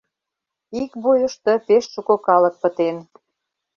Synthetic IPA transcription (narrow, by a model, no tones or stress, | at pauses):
ikbujə̆ʃt̪ə̆peʃʃukokɑlə̆k̚pə̆t̪en